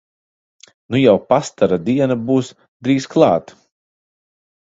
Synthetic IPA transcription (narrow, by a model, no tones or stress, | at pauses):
nujawpast̪aɾad̪iɛnabuːs | d̪ɾiːsklˠɑːt̪